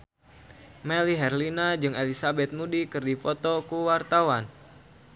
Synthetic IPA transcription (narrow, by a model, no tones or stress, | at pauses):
mɛliɦɛrlinad͡ʒɨŋelisabɛt̪̚mudikɨrdifɔt̪ɔkuwart̪awan